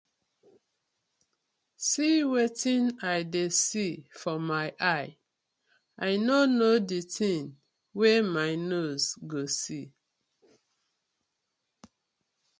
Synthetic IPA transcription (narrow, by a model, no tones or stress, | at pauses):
siwetĩnaɪdesifɔmaɪʔaɪ | aɪnonoditʰĩn | wemaɪnozɡosi